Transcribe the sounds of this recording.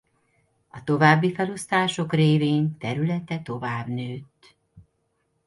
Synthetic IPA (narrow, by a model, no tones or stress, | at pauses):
ɒt̪o̞vaːbːifɛlo̞st̪aːʃo̞kreːveːnt̪ɛɾylɛt̪ɛt̪o̞vaːbnøːt̪